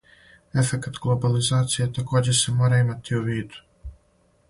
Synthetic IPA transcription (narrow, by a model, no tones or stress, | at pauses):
e̞fekat̪ɡlˠo̞balizaːt̪sijet̪ako̞ːd͡ʑesemo̞ːɾaimat̪iuʋiːd̪u̥